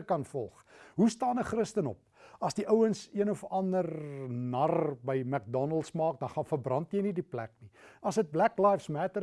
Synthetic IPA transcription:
kɐnfɔlˠχɦustɑːnəχrəstənɔp̚ɐsdiʔəwənsiənɔfɐndərnɐrbəjmæk̚dɔnəlˠtsmɑːk̚dɐnχɐnfərbrɐntjəjnidiplæ̰k̚niɐsɦət̚blæklɑjfsmætəɾ

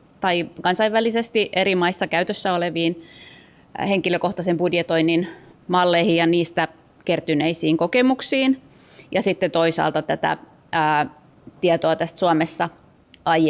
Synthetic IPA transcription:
t̪ɑikɑnsɑiʋælisest̪iʔeɾimɑisːɑkæyt̪øsːæoleʋiːn | heŋkiløkoht̪ɑsemb̥udjet̪oinːinmɑlːeihijɑniːst̪æ | kert̪yneisiːŋkokemuksiːn | jɑsit̪ːet̪oisɑ̰ːlt̪ɑt̪æt̪æ̰ː | t̪iɛt̪oɑt̪æst̪suɑmesːɑ | ɑj

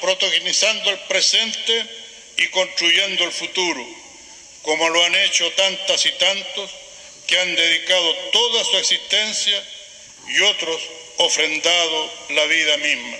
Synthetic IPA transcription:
pɾot̪oɣinisand̪oelpɾesent̪e | iko̞nst̪ɾuʝe̞nd̪oelfut̪uɾo | komoloanet͡ʃot̪ant̪asit̪ant̪os | keand̪e̞ðikað̞ot̪oðasueksihst̪e̞nsja | iot̪ɾos | ofɾe̞nd̪að̞olaβiðamihma

